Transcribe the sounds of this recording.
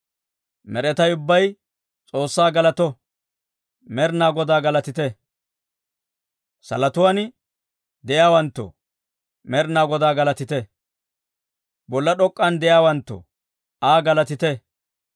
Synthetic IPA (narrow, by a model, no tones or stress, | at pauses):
mɛɾɛt̪ɐjʊbːɐj | t͡sʼo̞ːsːaːɡɐlɐt̪ɔ | mɛɾnaːɡɔd̪aːɡɐlɐt̪ɪt̪ɛ | sɐ̰lɐt̪ʊwaːn | d̪ɛjaːwɐnt̪ːɔ̰ | mɛɾnaːɡɔd̪aːɡɐlɐt̪ɪt̪ɛ | bɔlːɐɗɔkʼːɐnd̪ɛjaːwɐnt̪ːɔ̰ | aːɡɐlɐt̪ɪt̪ɛ